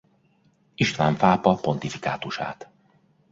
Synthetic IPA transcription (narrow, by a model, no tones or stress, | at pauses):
iʃt̪ʋaːɱfaːpɒpo̞nt̪ifi̥ka̰ːt̪uʃa̰ːt̪